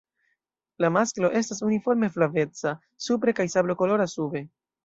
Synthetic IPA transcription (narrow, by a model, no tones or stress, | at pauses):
lamasklo̞ʔe̞stasunifo̞ɾme̞flave̞t͡sa | supɾe̞kajsablo̞ko̞lo̞ɾasube̞